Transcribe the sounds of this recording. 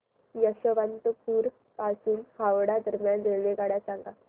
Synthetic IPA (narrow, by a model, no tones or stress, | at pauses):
jəɕəʋant̪əpuːɾ | pasuːnhaʋɽad̪əɾmjand̪eʋeɡaɽjasãŋɡa